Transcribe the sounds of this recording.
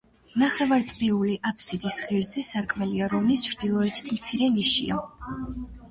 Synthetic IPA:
naχɛvaɾt̪sʼɾiuliʔapʰsid̪isχiɾd̪zisaɾkʼmɛliaɾɔmnist͡ʃʰɾd̪ilˠɔɛt̪ʰi̥t̪ʰmt̪sʰiɾɛniʃḭa

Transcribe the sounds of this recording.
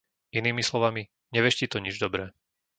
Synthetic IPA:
iniːmislɔʋami | ɲɛʋɛʃcit̪ɔɲid͡ʒd̪ɔbɾɛː

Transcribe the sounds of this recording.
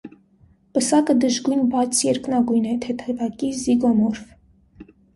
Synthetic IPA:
pəsɑkəd̪əʒɡujnbɑt͡sʰjɛɾknɑɡujnɛt̪ʰɛt̪ʰɛvɑkiziɡɔmɔɾv

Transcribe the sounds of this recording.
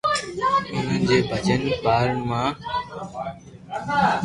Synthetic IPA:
ʊn̤ənd͡ʑeːbʱət͡ɕənpaːɾəɳmãː

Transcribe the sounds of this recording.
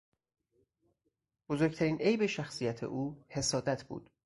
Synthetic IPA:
b̥ozoɾct̪ʰæɾiːnʔe̞jbe̞ʃæxsijæt̪ʰḛʔuːhe̞sɒːd̪æt̪ʰbṵːd̪̥

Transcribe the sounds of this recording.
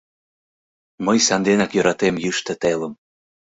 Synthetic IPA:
məjsɑnd̪enɑkjøɾɑt̪emjyʃt̪ĕt̪eləm

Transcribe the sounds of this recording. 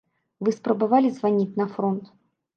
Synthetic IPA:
vɨspɾəbɐvalʲɪzvɐnʲitʲnɐfɾont̪

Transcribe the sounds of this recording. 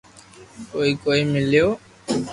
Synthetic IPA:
koːiːkoːiːmɪljoː

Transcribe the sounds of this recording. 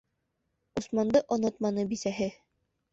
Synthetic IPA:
usmɑnd̪ɤʔŏnɤt̪̚mɑnɤbisæɦɘ

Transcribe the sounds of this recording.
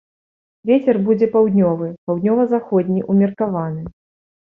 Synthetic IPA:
vʲet͡sʲɛrbud͡zʲɛpawd̪ʲnʲɔvɨpawd̪ʲnʲɔvɐzaxɔd̪ʲnʲiʔumʲɐrkavanɨ

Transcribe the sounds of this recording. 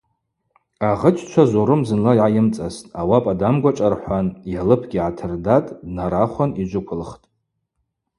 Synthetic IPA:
aʁət͡ʃʰʼt͡ʃʷʰazoɾɨmzɨnlajʕajɪmt͡sʼastʼawapʼadamɡʷat͡ʃʼarħʷanjalɨpʰɡʲiʕatʰɨrdatʼdnaɾaχʷanid͡ʒʷʊkʷʰʊlχtʼ

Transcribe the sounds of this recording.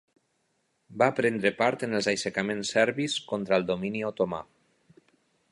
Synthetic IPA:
bapɾend̪ɾepaɾt̪enəlˠzajsekamensɛɾβiskont̪ɾalˠd̪ominiot̪oma̰

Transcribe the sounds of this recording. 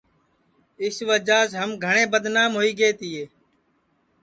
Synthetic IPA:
ɪsʋəd͡ʒaːsɦəmɡʱəɳ̃eːbəd̪naːmɦoːiːɡeːt̪ɪːeː

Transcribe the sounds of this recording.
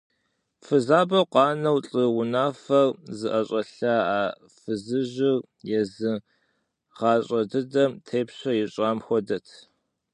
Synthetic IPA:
fɨzaːbɐqʷɑːnɐwɬʼɨwʊnaːfɐrzɨʔɐɕʼɐɬɐaː | fɨzɨʑɪr | jɛzɨ | ʁ̥ɑːɕʼɐdɨdɐmtʰeːpɕʷɐjɛɕʼaːmxʷɔdɐtʰ

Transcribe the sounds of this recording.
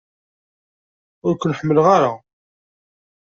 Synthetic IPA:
ʊɾkʷnəħəmːəlʁaɾa

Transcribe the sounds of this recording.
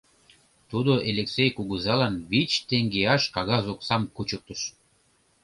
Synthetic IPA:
t̪ud̪oʔelʲeksejkuɣuzɑlɑnβit͡ɕt̪eŋɡeɑʃkɑɣɑzoksɑmkut͡ɕək̚t̪ə̆ʃ

